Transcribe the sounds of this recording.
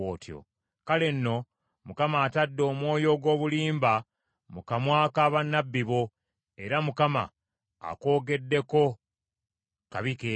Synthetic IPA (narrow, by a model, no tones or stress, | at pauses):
oːtjo̰ | kale̞nːo̞ | mukamaːtadːo̞ːmwo̞ːjo̞ːɡwo̞ːβuliːmba | mukamwaːkaːβanːabːiβo̞ | e̞ɾamukama̰ː | ko̞ːɡe̞dːe̞ko̞ | kaβike